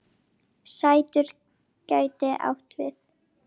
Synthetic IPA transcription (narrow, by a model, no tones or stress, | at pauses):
saːjt̪ʏɾ̥ | caːɥt̪ɪʔa̰wht̪vɪ̰θ